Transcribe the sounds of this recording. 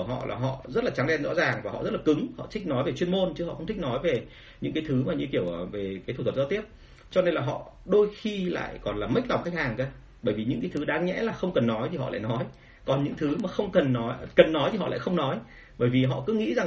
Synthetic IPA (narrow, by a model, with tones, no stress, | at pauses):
ɦɔ̰˧˨la̰ː˨˩ɦɔ̰˧˨zə˦˥t̚laː˨˩t͡ɕa˨˦ŋɗɛ˧nzɔ̰˧˥zaː˨˩ŋvaː˨˩ɦɔ̰˧˨zə˦˥t̚laː˨˩kɨ˨˦ŋhɔ̰˧˨t͡ɕʰï˦˥k̟̚nɔ˨˦jve˨˩t͡ɕwi˧ənmo˧nt͡ɕɨ˨˦hɔ̰˧˨xə˧wŋ͡mt̪ʰi˦˥k̚nɔ˨˦jve˨˩ | ɲɨ̰˧˥ŋkaː˨˦jt̪ʰɨ˨˦maː˨˩ɲɨ˧ki˧˩əwə˨˩ve˨˩kaː˨˦t̪ʰu˨˩ə˨˩zaː˧t̪i˦˥əp̚ | t͡ɕɔ˧ne˧nlaː˨˩ɦɔ̰˧˨ɗo˧jxi˧la̰ː˧˨jkɔ˨˩nlaː˨˩mə˦˥k̟̚la˨˩wŋ͡mka˦˥jk̚haː˨˩ŋkaː˨˧ | ɓəː˧˩jvi˨˩ɲɨ̰˧˥ŋkaː˨˦jt̪ʰɨ˨˦ɗaː˨˦ŋŋɛ̰˧˥laː˨˩xə˧wŋ͡mkə˨˩nːɔ˨˦jt̪ʰi˨˩ɔ̰˧˨l̰aː˧˨jnɔ˨˦j | kɔ˨˩nɲɨ̰˧˥ŋt̪ʰɨ˨˦maː˨˩xə˧wŋ͡mkə˨˩nːɔ˨˦jkə˨˩nːɔ˨˦jt̪i˨˩ɦɔ̰˧la̰ː˧˨xə˧wŋ͡mnɔ˨˦j | ɓəː˧˩jvi˨˩ɦɔ̰˧˨kɨ̰˨˦ŋḭ˧˥za˨˩ŋ